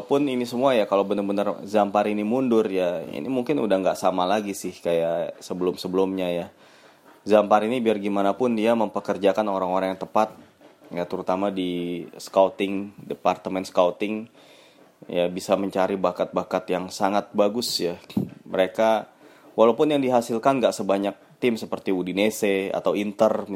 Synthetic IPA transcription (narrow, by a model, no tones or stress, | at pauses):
apʊninisəmuajakalowbənərbənərzampaɾinimundʊrjaḭnḭmuŋkɪnṵdahŋɡaʔsamalaɡisɪhkajasəbəlʊmsəbəlʊmɲaja | zampaɾinibiarɡimanapʊndiaməmpəkərd͡ʒakanoɾaŋoɾaŋjaŋt̪əpat̪̚ | jat̪əɾut̪amadiskawt̪ɪŋdepart̪əmɛnskawt̪ɪŋ | jabisaməɲt͡ʃaɾibakat̪̚bakat̪jaŋsaŋat̪̚baɡʊsjaməɾeka | walawpʊnjaŋdiɦasɪlkanɡaʔsəbaɲak̚t̪ɪmsəpərt̪iudinesea̰t̪awint̪ər